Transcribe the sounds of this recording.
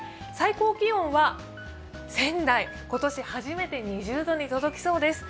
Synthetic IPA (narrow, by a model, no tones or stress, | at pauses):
saiko̞ːkʲiõ̞ɰ̃βa | sẽ̞nd̪ai | ko̞t̪o̞ɕihaʑime̞t̪e̞ɲ̟iʑɨːd̪o̞ɲ̟it̪o̞d̪o̞kʲi̥so̞ːd̪e̞sɨ̥